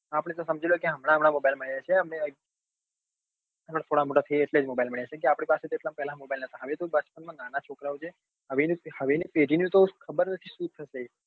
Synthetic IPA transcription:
apəɽ̃et̪osəmd͡ʒʱilokeɦəmɽ̃aɦəmɽ̃amobajlməɽjat͡ʃʰeəmɳeə | əmɽat̪ʰoɽamoʈat̪ʰəjeːʈled͡ʒmobajlməɳjat͡ʃʰek̬eapɽ̃ipaset̪ieʈlampɛɦlãmobajlnət̪aɦəʋet̪obəspənmãnanat͡ʃʰokɾaot͡ʃʰe | ɦəʋenhəʋenipeɖinũt̪okʰəbəɾnət̪ʰisut̪ʰːəʃe

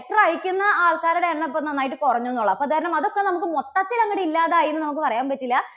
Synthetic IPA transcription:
k̚ʈrɐɻikʲːunːɐaːɭkaːɾuɽeɳːɨpːonɐnːaːjiʈːɨkorɐɲːuenːuɭːɐɐpːoɐðʰaːɾɐɳɐmɐðo̞kːenɐmukːɨmot̪ːɐt̪ːilɐŋːɐɽeilːaːðaːjiɾunːɨnɐmukːɨpɐrɐjaːnpɐtːilːɐ

